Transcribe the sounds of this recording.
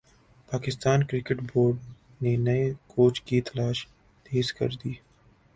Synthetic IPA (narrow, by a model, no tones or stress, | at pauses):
paːkɪst̪aːnkɾɪkɪʈboːɾɖ | nenɐekʰoːt͡ʃkit̪ɐlaːʃ | d̪̥eːzkɐ̰ɾd̪iː